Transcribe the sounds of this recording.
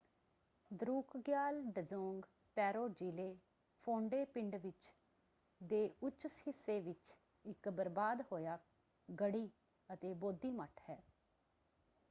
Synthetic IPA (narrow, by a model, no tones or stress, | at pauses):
d̪ɾuːkɡjaːlɖəzõːŋɡ | pɛːɾoːd͡ʒiːleː | pʰõːɳɖeːpɪɳɖʋɪt͡ʃ | d̪eːʊt͡ʃːshɪsːeːʋɪt͡ʃ | ɪkbəɾbaːd̪hoːjaː | ɡəɽiː | ət̪eːboːd̪iːməʈʰhɛː